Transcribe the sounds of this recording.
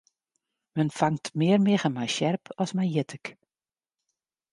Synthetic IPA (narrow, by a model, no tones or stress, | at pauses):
mənfaŋtmɪərmɪɣəmajʃjɛrpʰɔsmajjɪtʰək